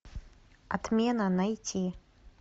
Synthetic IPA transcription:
a̰t̪mʲɛnɐnajt͡sʲi

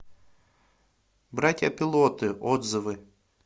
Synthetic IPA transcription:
bɾat̪ʲjɐpʲɪlˠot̪ɨʔod̪zɨvɨ

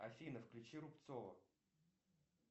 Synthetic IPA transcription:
ɐfʲinəfklʲʉt͡ɕiɾʊpt̪sovə̰

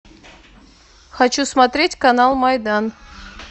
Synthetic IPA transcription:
xɐt͡ɕusmɐt̪ɾʲetʲkɐnalˠmɐjd̪an

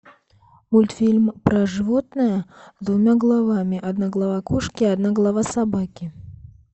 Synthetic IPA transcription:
mulʲt̪fʲilʲmpɾɐʐɨvɔt̪nɨjɐzd̪vʊmʲaɡlˠavamʲiʔad̪naɡlˠavakɔʂkʲiad̪naɡlˠavasabakʲi

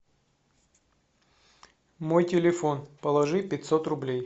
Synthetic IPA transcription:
mo̞jtʲɪlʲɪfo̞npəlˠɐʐɨpʲɪt̪ʲso̞t̪rʊblʲej

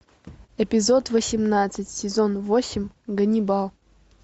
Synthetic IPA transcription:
epʲɪzot̪vəsʲɪmnat̪sɨtʲsʲɪzonvosʲɪmʲɡənʲibɑlˠ

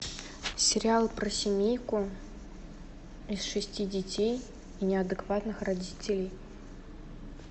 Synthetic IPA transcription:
sʲɪɾʲɪalˠpɾəsʲɪmʲejkʊ | isʂɨsʲtʲidʲɪtʲej | inʲɪɐd̪ɨkvat̪nɨxrɐdʲitʲɪlʲɪj

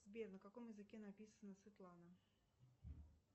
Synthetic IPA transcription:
zbʲernəkako̞mjɪzɨkʲe̞napʲisənəsvʲɪt̪lˠanə

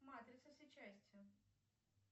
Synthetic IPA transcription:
mat̪ɾʲɪt̪səsʲɪt͡ɕːæsʲt͡sʲjʊ

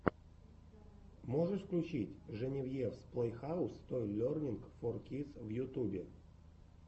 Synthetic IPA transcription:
moʐɨʂfklʲʉt͡ɕitʲʐɨnʲɪvjefsplˠəjxaʊst̪ojlʲornʲɪnkforkʲit̪svjʊt̪ubʲɪ

